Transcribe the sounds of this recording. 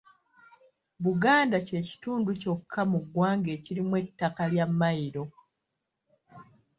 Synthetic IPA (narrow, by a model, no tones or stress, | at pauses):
βuɡaːndace̞ci̥tuːnduco̞kʰːamuɡːwaːŋɡe̞ːcilimwe̞tːakaljamːajiɾo̞